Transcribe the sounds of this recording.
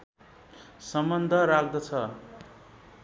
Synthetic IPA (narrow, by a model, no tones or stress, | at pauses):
sʌmbʌnd̪ʱʌɾakd̪ʌt͡sʰʌ